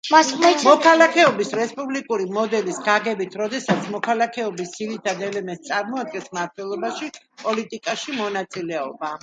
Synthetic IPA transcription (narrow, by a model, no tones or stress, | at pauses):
amɔkʰalˠakʰɛɔbisɾɛspʼublikʼuɾimɔd̪ɛlisɡaɡɛbit̪ʰɾɔd̪ɛsat̪sʰmɔkʰalˠakʰɛɔbisːiɾit̪ʰad̪ɛlɛmɛnst̪sʼaɾmɔad̪̚ɡɛnsmaɾt̪ʰwɛlˠɔbaʃi | pʼɔlit̪ʼikʼaʃimɔnat̪sʼilɛɔba